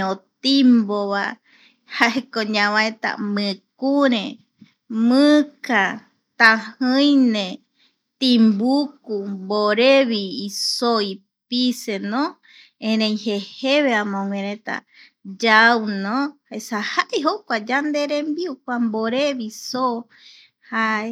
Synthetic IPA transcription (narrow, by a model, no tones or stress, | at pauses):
ot̪imboβa | haekoɲãβãet̪a̰mɨ̃kuɾẽ | mɨ̃ka | t̪ahɨjnẽ | t̪ĩmbukumboɾeβiːsoi | pisenõ | ẽɾẽj̃heheβeamõŋwẽɾẽt̪a̰ | d͡ʒawnõaesahaʔeɦokʷad͡ʒand̪eɾembiuk̚ʷamboɾeβiso | hae